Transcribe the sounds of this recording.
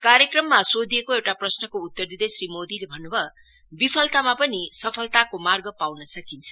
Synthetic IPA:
kaɾjekrʌmːasod̪iekoewʈaprʌsnʌkout̪ːʌrd̪id̪esrimod̪ilebʱʌnːubʱʌ | bipʰʌlt̪amapʌnisʌpʰʌlt̪akomarɡʌpawnʌsʌkint͡sʰʌ̥

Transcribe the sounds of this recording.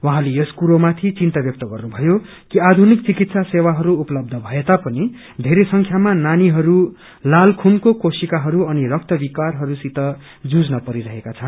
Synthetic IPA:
wʌɦãlejʌskuɾomat̪ʰit͡sint̪ʌbjʌk̚t̪ʌɡʌrnubʱʌjo | kiad̪ʱunik̚t͡sikit̪sasewaɦʌɾuːplʌb̚d̪ʱʌbʱʌet̪apʌni | d̪ʱeɾesʌŋkʰjamananiɦʌɾu | lalkʰunkokosikaɦʌɾuʌnirʌk̚t̪ʌbikarɦʌɾusit̪ʌ | d͡zud͡znʌpʌɾiɾʌɦekat͡sʰʌn

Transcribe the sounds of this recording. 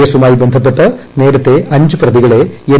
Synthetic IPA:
ɐsumaːjibe̞nd̪ʱɐp̬ːe̞ʈːɨne̞ːɾɐt̪ːe̞ɐɲd͡ʑɨprɐðiɣɐɭe̞e

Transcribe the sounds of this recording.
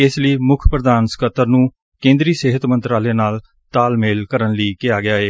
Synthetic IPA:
ɪsləiːmʊkʰpɾəd̪aːnskət̪əɾnũː | kẽːnd̪ɾiːseːɦət̪mənt̪ɾaːleːnaːl | t̪aːlmeːlkəɾənliːkɪjaːɡɪaːeː

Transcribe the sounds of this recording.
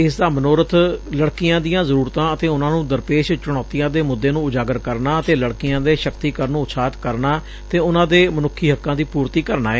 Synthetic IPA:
ɪsd̪aːmənoːɾət̪ləɽkɪjãːd̪ɪjãːzəɾuːɾt̪ãːət̪eːʊnãːnũːd̪əɾpeːʃt͡ʃʊɽ̃ɔːt̪ɪjãːd̪eːmʊd̪ːeːnũːʊd͡ʒaːɡəɾkəɾnaːət̪eːləɽkɪjãːd̪eːʃəkt̪iːkəɾnũːʊt̪sʰaːt̪kəɾnaː | t̪eːʊnãːd̪eːmənʊkʰːiːɦəkːãːd̪iːpuːɾt̪iːkəɾna̰ːɛː

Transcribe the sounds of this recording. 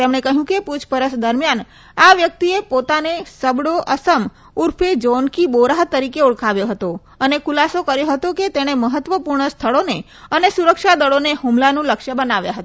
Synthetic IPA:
t̪emɳekəɦjũkeput͡ʃʰpəɾəʃd̪əɾmjan | aʋjək̚t̪iepot̪anesəbɽoʔəsəm | uɾpʰed͡ʒonkiboɾaɦt̪əɾikeuɭkʰaʋjoɦət̪o | ənekʰulasokəɾjoɦət̪oket̪eɽ̃eməɦət̪ʋəpuɾɳəst̪ʰəɭone | ənesuɾəkʃad̪əɭoneɦumlanũləkʃəbənaʋja̰ɦət̪a

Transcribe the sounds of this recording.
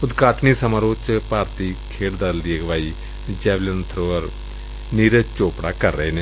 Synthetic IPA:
ʊd̪kaːʈniːsəmaːɾoːt͡ʃpaːɾt̪iːkʰeːɽd̪ald̪ieɡʋaːiː | d͡ʒɛːʋlənt̪ʰɾoːəɾ | niːɾət͡ʃoːpɽa̰ːkəɾːəeːneː

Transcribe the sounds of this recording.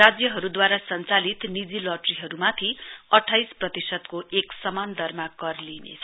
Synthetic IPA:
rad͡zjʌɦʌɾud̪waɾasʌnt͡salit̪nid͡zilʌʈriɦʌɾumat̪ʰiʌʈʰːajsprʌt̪isʌd̪koʔeksʌmand̪ʱʌrmakʌrlinḛt͡sʰʌ

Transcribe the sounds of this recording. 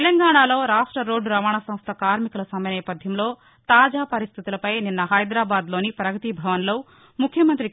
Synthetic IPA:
lɐŋɡaːɳaːlo̞ːɾaːʂʈɾɐɾo̞ːɖːuɾɐʋaːɳɐsɐmst̪ʰɐkaːɾmikulɐsɐmɐjɐnɛːpɐd̪ʱjɐmlo̞ː | t̪aːd͡ʒaːpɐɾist̪ʰit̪ulɐpɐjninːɐɦɐjd̪ɾaːbaːd̪lo̞ːnipɾɐɡɐt̪ibʱɐʋɐnlo̞ː | mukʰːjɐmɐnt̪ɾi

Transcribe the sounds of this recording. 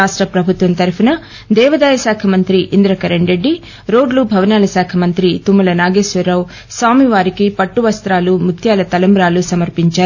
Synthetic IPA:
aːʂʈɾɐpɾɐbʱut̪ʋɐnt̪ɐɾpʰɐnɐ | d̪ɛːʋɐd̪aːjɐsaːkʰɐmɐnt̪ɾiʔind̪ɾɐkɐɾeɳɖɾeɖːi | ɾoːɖlubʱɐʋɐnaːlɐsaːkʰɐmɐnt̪ɾit̪umːɐlɐnaːɡeːʃʋɐɾɐw | saːmiʋaːɾikipɐʈːuʋɐst̪ɾaːlumut̪ʰjaːlɐt̪ɐlɐmbɾaːlusɐmɐɾpiɲt͡ʃaːɾu

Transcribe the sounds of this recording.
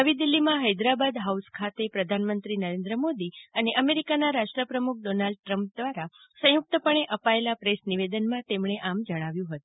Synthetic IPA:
əʋid̪ilːimãɦəjd̪ɾabad̪ɦauskʰat̪epɾəd̪ʱanmənt̪ɾinəɾẽnd̪ɾəmod̪iəneʔəmeɾikanaɾaʃʈɾəpɾəmuk̚ʰɖonalɖ̚ʈɾəmp̚d̪ʋaɾa | sə̃jʊk̚t̪əpəɽ̃eʔəpaelapɾesniʋed̪ənmãt̪emɳeʔamd͡ʒəɽ̃aʋjũɦət̪ũ

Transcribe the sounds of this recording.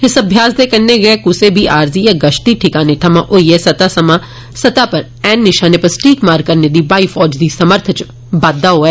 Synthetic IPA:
ɪsəbʱjaːsd̪eːkənːeːɡeːkʊseːbʱiːʔaːɾziːjaːɡəʃʈ̪iːʈʰɪkaːneːʈʰəmãːʔoiːɛːsət̪aːsəmãː | sət̪aːpəɾ | ɛːnːɪʃaːneːpəɾsʈʰiːkmaːɾkəɾneːd̪iːbaːiːfʰɔːd͡ʒd̪iːsəməɾt̪ʰt͡ʃ | baːd̪ːaːɦoːɛː

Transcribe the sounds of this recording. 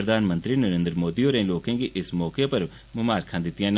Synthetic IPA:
ɾəd̪ʱaːnmə̃nt̪ɾinəɾẽːnd̪ɾmoːd̪ioːɾẽloːkẽɡiʔɪsmɔːkepɐɾ | mʊmaːɾkʰãːd̪ɪt̪ːɪjãn

